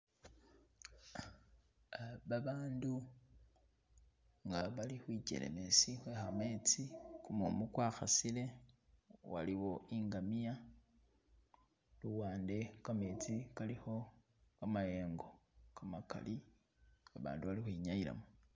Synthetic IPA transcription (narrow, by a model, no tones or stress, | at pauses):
βaβaːndu | ŋɡaβalixwiɟḛlḛmesixwexamet͡sikumumukwaːxa̰sile̞ | wa̰liwo̞ʔiːŋɡamija | luwaːnde̞kameːt͡sikalixo̞ | kamaje̞ːŋɡo̞kamaka̰li | aβa̰ːnduβalixwiɲajila̰mo